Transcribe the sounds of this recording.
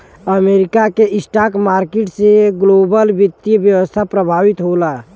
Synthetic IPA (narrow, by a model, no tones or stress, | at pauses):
əmeɾikakeɪsʈaːkmaːɾkeʈseɡloːbəlbɪt̪ːiəbjəwəst̪ʰapɾəbʱaːwit̪ɦola